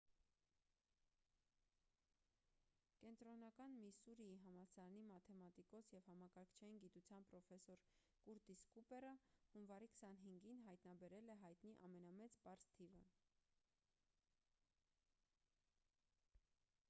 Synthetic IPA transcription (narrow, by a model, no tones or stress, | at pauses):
kɛnt̪ɾɔnɑkɑnmisuɾiiɦɑmɑsɑɾɑnimɑt̪ʰɛmɑt̪ikɔsjɛvhɑmɑkɑɾkʰt͡ʃʰɑjinɡit̪ut͡sʰjɑnpɾɔfɛsɔɾ | kuɾt̪iskupɛɾəhunvɑɾikʰə̥sɑnɦiŋɡinɦɑjt̪nɑbɛɾɛlɛɦɑjt̪niʔɑmɛnɑmɛt͡spɑɾst̪ʰivə